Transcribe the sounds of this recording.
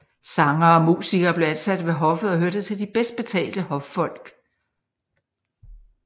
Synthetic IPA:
sɑ̈ŋɐɒ̽mṵːsiɡ̥ɐːb̥le̝ænsæd̥ʋe̝ɦɒ̽fð̩ˠɒ̽ɦøɐ̰d̥ð̩ˠt͡sʰe̝ld̥ib̥esd̥̚b̥e̝t͡sʰɛ̰ːld̥əhɒ̽ffɒ̽l̰ɡ̥

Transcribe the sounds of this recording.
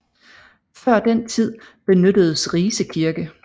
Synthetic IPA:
fɶɐ̰d̥en̰t͡sʰið̰ˠb̥e̝nød̥əð̞̩ˠəsʁiːsəkʰiɐɡ̥ə

